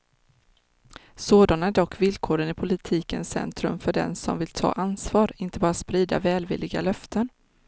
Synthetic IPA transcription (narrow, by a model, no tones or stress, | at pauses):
soːd̪anaæɖɔkːvɪlkʰoːɾənɪpʰʊlɪt̪ʰiːkənsɛ̰nt̪ɾɵmfœɖɛ̰nsɔ̰mvɪlt̪ʰɑ̰ːʔansvɑːɾɪnt̪əbɑːɾaspɾiːd̪a̰vɛːlvɪ̰lːɪɡa̰lœft̪ʰən